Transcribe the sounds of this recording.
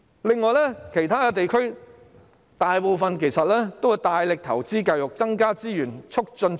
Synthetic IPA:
lɪ˨ŋːɔː˨˧jlɛː˥kʰe˨˩jt̪ʰaː˥kɛ˧t̪̬e˨jkʰɵ˥ɥ | t̪aː˨jpo˨˧wfɐ˨nkʰe˨˩jsɐ˨t̚lɛː˥t̪o˥wht̪aː˨jlɪ˨k̚t̪ʰɐ˨˩wt͡siː˥kaː˧jjʊ˨k̚t͡sɐ˥ŋkaː˥t͡siː˥jyː˨˩nt͡ʃʰʊ˥k̚t͡ʃɵ˧n

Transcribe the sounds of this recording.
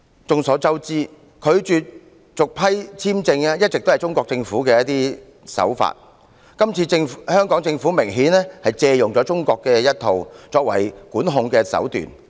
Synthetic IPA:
t͡sʊ˨˧ŋsɔː˨˥t͡sɐ˥wt͡siː˥ | kʰɵ˨˧ɥt͡ʃy˨t̚ | t͡ʃʊ˨k̚pʰɐ˥jt͡sʰiː˥mt͡sɪ˧ŋa˧jɐ˥t̚t͡sːɪ˨k̚t̪o˥hɐ˨jt͡sʊ˥ŋkʷɔː˧k̚t͡sɪ˧ŋfuː˨˥kɛː˧jɐ˥t̚t̪iː˥ | sɐ̰˨˥wfa̰ː˧t̚ | kɐ˥mt͡sʰiː˧t͡sɪ˧ŋfhœː˥ŋkɔː˨˥ŋt͡sɪ˧ŋfuː˨˥mɪ˨˩ŋɦiː˨˥nɛː˥hɐ˨jt͡sɛː˧jʊ˨ŋt͡sɔː˨˥t͡sʊ˥ŋkɔː˧kːɛː˧jɐ˥t̚t̪ʰo˨wt͡sɔː˧k̚wɐ̰˨˩jkuː˨˥nɦʊ˧ŋkɛː˧sɐ̰˨˥wt̪y̰ː˨n

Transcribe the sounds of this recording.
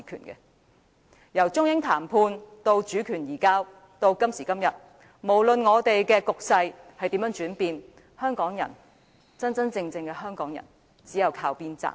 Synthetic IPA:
kʰy̰˨˩nkɛ̰˧ | jɐ˨˩wt͡ʃʊ˥ŋjɪ˥ŋt̪ʰaː˨˩mpʰuː˧nt̪o˧wt͡ʃyː˨˥kʰyː˨˩njiː˨˩kaː˥w | t̪o˧wkɐ˥msiː˨˩kɐ˥mjɐ˨t̚ | mo˨˩wlɵ˨nŋɔː˨˧t̪e˨jkɛː˧kʊ˨k̚sɐ˧jhɐ˨jt̪iː˨˥mjœː˨˥ŋt͡ʃyː˨˥npiː˧n | hœː˥ŋkɔː˨˥ŋjɐ̰˨˩n | t͡sɐ˥nt͡sɐ˥nt͡sɪ˧ŋt͡sɪ˧ŋkɛ˧hœː˥ŋkɔː˨˥ŋjɐ̰˨˩n | t͡siː˨˥jɐ˨wkʰaː˧wpiː˥nt͡sa̰ː˧˥

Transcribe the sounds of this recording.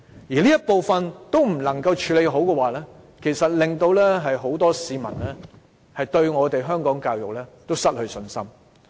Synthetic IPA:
jiː˨˩liː˥jɐ˥t̚po˨wfɐ˨nt̪o˥wm̩˨˩lɐ˨˩ŋkɐ˧wt͡ʃʰyː˨˧˥le˨˧jɦo˨˥wkɛː˧waː˨lɛː˥ | kʰe˨˩jsɐ˨t̚lɪ˨ŋt̪o˧wlɛː˥ɦɐ˨jɦo˨˥wt̪ɔː˥siː˨˧mɐ˨˩nlɛː˥ | hɐ˨jt̪ɵ˧ɥŋɔː˨˧t̪e˨jɦœː˥ŋkɔː˨˥ŋkaː˧wjʊ˨k̚lɛː˥t̪o˥wsɐ˥t̚hɵ˧ɥsɵ˧nsɐ̰˥m

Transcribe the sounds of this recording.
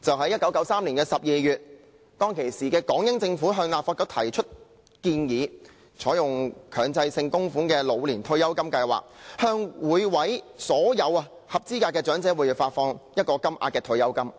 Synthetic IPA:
t͡sɐ˨wɦɐ˨˥jɐ˥t̚kɐ˨˥wkɐ˨˥wsaː˥mliː˨˩nkɛː˧sɐ˨p̚jiː˨˩jyː˨t̚ | t̪ɔː˥ŋkʰe˨˩jsiː˨˩kɛː˧kɔː˨˥ŋjɪ˥ŋt͡sɪ˧ŋfuː˨˥ɦœː˧ŋlaː˨p̚faː˧tkɔ˧˥k̚t̪ʰɐ˨˩jt͡ʃʰɵ˥t̚ | kiː˧njiː˨˥ | t͡ʃʰɔː˨˥jʊ˨ŋkʰœː˨˩ŋt͡sɐ˧jsɪ˧ŋkʊ˥ŋfuː˨˥ŋkɛː˧lo˨˧wliː˨˩nt̪ʰɵ˧ɥjɐ˥wkɐ˥mkɐ˧jwa̰ː˨˩k̚hœː˧ŋwuː˨˧jwɐ˨˥jsɔː˨˥jɐ˨˧wɐ˧ | hɐ˨p̚t͡siː˥kaː˧kːɛː˧t͡ʃœː˨˥ŋt͡sɛː˨˥wuː˨˥jiː˨˩faː˧t̚fɔː˧ŋjɐ˥t̚kɔː˧kɐ˥mʔa̰ː˧t̚kɛː˧t̪ʰɵ˧ɥjɐ˥wkɐ˥m

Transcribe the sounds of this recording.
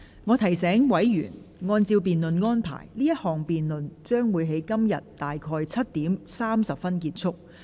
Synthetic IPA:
ŋɔː˨˧t̪ʰɐ˨˩jsɛː˨˥ŋwɐ˨˥jjy̰ː˨˩n | ŋɔː˧nt͡siː˧wp̬iː˨nlɵ˨nŋɔː˥npʰa̰ː˨˩jliː˥jɐ˥t̚hɔː˨ŋpiː˨nlɵ˨nt͡ʃœː˥ŋwuː˨˧jɦe˨˥jkɐ˥mjɐ˨tːt̪ːaː˨jkʰɔː˧jt͡sʰɐ˥t̚t̪iː˨˥msaː˥msɐ˨p̚fɐ˥nkiː˧t̚t͡sʰʊ˥k̚

